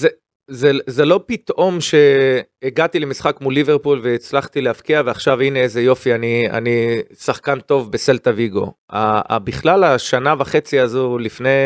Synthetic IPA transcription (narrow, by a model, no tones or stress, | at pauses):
ze | zezelo̞pit̪ʔo̞mʃe̞ːɡat̪ilemisχakmulːiveʁpulve̞it͡slaχt̪ilehafkiaveaχʃavineezejo̞fiania̰nisaχkant̪o̞vbese̞lt̪aviɡo̞̰ | a̰biχlalaʃanavaχe̞t͡siazulifnej